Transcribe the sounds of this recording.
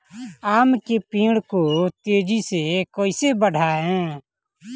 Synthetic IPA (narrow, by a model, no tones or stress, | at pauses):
aːmkepiːɽkot̪eːd͡ʒisekoːisebəɽ̤ʱaːɦɛ̃ː